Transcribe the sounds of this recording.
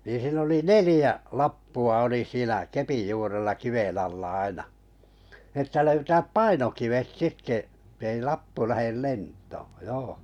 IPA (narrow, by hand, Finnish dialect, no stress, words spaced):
niːn̞ siːn oli nelĭjæ lɑpːuɑ oli siːnæ kepij juːrelːɑ kiʋen ɑlːɑ ɑinɑ nĭ etːæ løytæːp pɑinokiʋet etːei lɑpːu læhel lentˑoː joː